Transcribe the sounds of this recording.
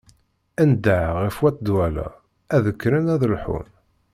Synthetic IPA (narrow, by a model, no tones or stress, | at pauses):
ænd̪aʕʁifwæt̪ːd̪wælæ̰ | æðəkːɾənæðəlħṵn